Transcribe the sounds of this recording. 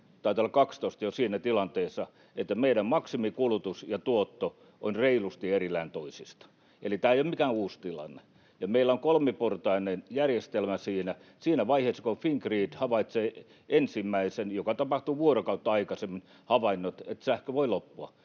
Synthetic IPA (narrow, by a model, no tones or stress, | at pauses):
t̪ɑit̪olːɑkɑkst̪oist̪ɑjosiːnæt̪ilɑnt̪eːsːɑ | et̪ːæmeidæmmɑksimikulut̪usjɑt̪uot̪ːo | ʔonreilust̪ierilːæːnt̪oisist̪ɑ̥ | elit̪æːeijomikæuːst̪ilɑ̰nːe̥ | jɑmeilːˑæoŋkolmeport̪ɑinenjærjest̪elmæsiːnæ | siːnæʋɑiheːsːɑ̥kofiŋkriːd̪hɑʋɑit̪seː | ensimːæisenjokɑt̪ɑpɑht̪uʋuorokɑut̪ːɑɑikɑsemːin | hɑʋɑinːot̪et̪sæhkøʋoilopːuɑ̰